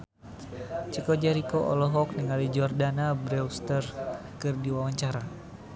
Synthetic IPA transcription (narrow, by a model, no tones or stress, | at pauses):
t͡ʃikɔd͡ʒaɾikoʔɔ̰lɔɦɔk̚nəŋalid͡ʒɔrdanabɾɛwst̪ərkɨrdiwawaɲt͡ʃaɾa